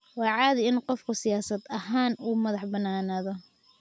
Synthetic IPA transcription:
wɑːʕaːðɪɪnqɔfkʰʊsɪjaːsɐd̪ɐɦaːnuːmɐðɑħbɐnaːnaːðɔ

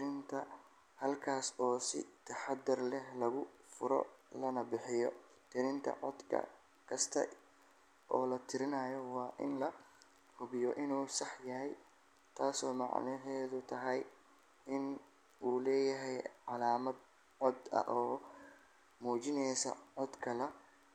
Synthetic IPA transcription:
t̪ɾɪnt̪ʰɐ | hɐlkʰaːsɔːsɪ̰t̪ʰɐħɑd̪ːʊrlɛhlɐɣʊfʊɾɔ̰lɐnɐbɪħɪjɔ̰ | t̪ʰɪɾɪnt̪ʰɐ̰ʕɔd̪kʰɐ̰ | kʰɐst̪ʰɐ̰ | ʔɔːlɐt̪ʰɪɾɪnɐːjɔwɑːʔɪ̰nlɐ | hʊβɪjɔʔɪnuːsɑħjɐɦɛj | t̪ʰaːsɔːmɑ̰ʕnɪɦɛːðʊt̪ʰɐɦɐj | ɪn | ʔuːlɛːjɐɦɛjʕɑlaːmɐd̪ | ʕɔd̪ɐ̰ʔɔː | muːt͡ʃɪnɛjsɐ̰ʕɔd̪kʰɐlɛ

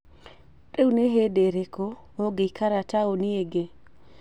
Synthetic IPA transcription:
tʼeuneɦedeɾeko | oɡekaɾataonieɡe

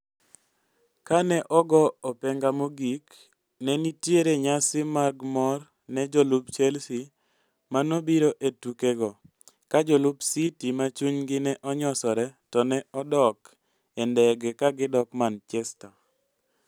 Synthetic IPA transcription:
kanɛʔɔɡɔɔpɛŋɡamoɡik | nɛnitjeɾeɲasɪmaɡmɔr | nɛd͡ʒolubt͡ʃɛlsi | manobiɾoʔetukeɡɔ | kad͡ʒolubsitimat͡ʃuɲɡɪnɛʔɔɲɔsɔɾɛtɔnɛɔdɔk | ɛndɛɡɛkaɡɪdɔkmant͡ʃɛsta

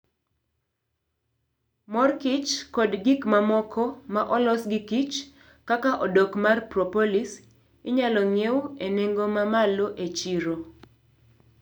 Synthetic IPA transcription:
mɔrkit͡ʃkɔdɡikmamɔkʰɔmaʔɔlɔsɡikit͡ʃ | kakaʔɔdɔkmarprɔpolis | ɪɲalɔŋeweneŋɡomamaloʔet͡ʃiɾo

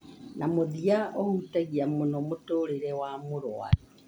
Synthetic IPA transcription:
namoðiaɔhutaɣiamonɔmotoːɾeɾɛwamoɾwa̰ɾi

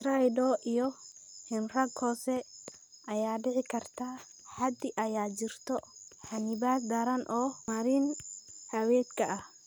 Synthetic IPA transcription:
sɾajdɔːʔijɔhɪnrɐɡhɔːsɛʔɐjaːɖɪʕɪkʰɐrt̪ʰaː | ħad̪ɪʔɐjaːt͡ʃɪrt̪ʰɔħanɪbaːd̪ɐɾɐnʔɔːmɐɾiːnħɐwɛːd̪kʰɐʔɐh

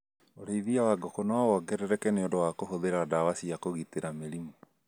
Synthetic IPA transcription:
oɾeiðiawaɡɔkɔnawɔwɔɡɛɾɛɾɛkɛneondowakohoðeɾadawasiakoɣiteɾameɾimo

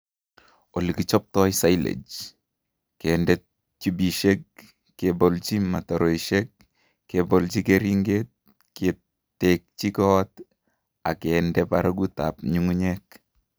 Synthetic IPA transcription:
olikit͡ʃɔp̚tɔjsajlḛd͡ʒ | kɛndɛt̚ | t͡ʃibiʃek̚ː | ebɔlt͡ʃimataɾoiʃɛk̚ | kebɔlt͡ʃikeɾiŋɡet̚ | ke | tek̚t͡ʃikɔt | akɛndɛpaɾaɡuta̰p̚ɲuŋuɲɛk̚

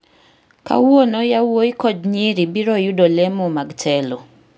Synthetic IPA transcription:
ka̰wonojawoikɔd͡ʒɲiɾibiɾɔjudolemumaɡtʰɛlɔ

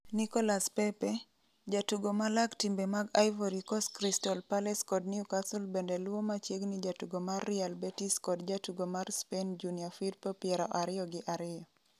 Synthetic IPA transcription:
nikɔlaspɛpe | d͡ʒatuɡomalaktimbemaɡajvoɾikɔskɾistɔlpalɛskɔdniukasulbendɛlwomat͡ʃjeɡnɪd͡ʒatuɡomarːɪalbetiskɔdd͡ʒatuɡomarspend͡ʒuniafid̚pɔpjɛɾɔʔaɾɪɔɡɪʔaɾɪjɔ

